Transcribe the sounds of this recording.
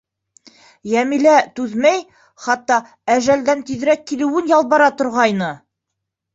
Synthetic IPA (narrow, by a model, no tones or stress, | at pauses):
jæmilæt̪ʉðmæj | χɑt̪ːɑ | æʒæld̪ænt̪iðɾækːilɘ̆wɘnjɑlˠbɑɾɑt̪ŏɾʁɑjnɤ